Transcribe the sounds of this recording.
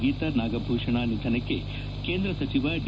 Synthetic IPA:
ɡiːt̪ɐnaːɡɐbʱuːʂɐɳaːnid̪ʱɐnɐkːe | keːnd̪ɾɐsɐt͡ʃiʋɐɖ

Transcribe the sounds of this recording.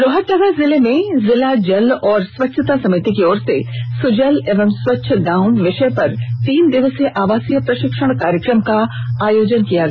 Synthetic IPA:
ɾoɦətt̪ːɐɡazɪlemẽzɪlad͡ʒɐlɔːɾsʋɐtːʃʰət̪asɐmɪt̪ikeɔːɾsesʊd͡ʒəleːʋəmswɐtːʃʰəɡãːʊ̃ɳɖʋɪʃəjpɐɾt̪iːnd̪ɪʋəseʔaːʋaːsijəpɾɐʃɪkʃəɽ̃kaːɾjəkɾəmkaaːjoːd͡ʒənkijaɡɐ

